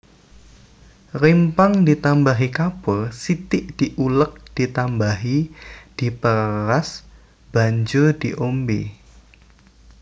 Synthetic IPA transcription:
rimpaŋdit̪ambaɦikapəsit̪ɪʔd̥iʔulək̚d̥it̪ambaɦid̥ipəɾas | b̥aɲd͡ʒodiʔombe

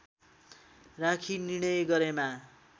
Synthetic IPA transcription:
rãkʰiniɽ̃ʌjɡʌɾema

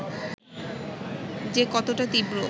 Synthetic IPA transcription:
d͡ʑekɔt̪oʈat̪ibɾo

